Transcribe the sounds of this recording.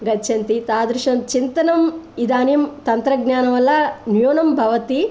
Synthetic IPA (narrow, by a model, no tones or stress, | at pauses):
ɡɐt͡ʃʰɐnt̪it̪aːd̪ɾuʃɐmt͡ʃint̪ɐnɐmid̪aːnjɐmt̪ɐnt̪ɾɐɡnaːnɐmɐlːɐnjoːnɐmbʱɐʋɐt̪i